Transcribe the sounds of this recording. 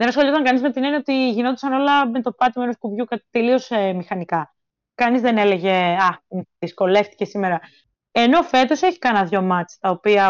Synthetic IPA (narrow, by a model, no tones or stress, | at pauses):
ðenɐsxoliot̪ɐŋkɐnizme̞t̪inenɐot̪iʝino̞t̪isɐno̞lɐme̞t̪o̞pɐt̪imenoskuvʝukɐt̪elio̞semixɐnikɐ | kɐnizðene̞le̞ʝe̞ɐðisko̞le̞ft̪i̥ce̞sime̞ɾɐ | e̞no̞fe̞t̪o̞se̞çi̥kɐnɐðʝo̞mɐt͡st̪ɐo̞piɐ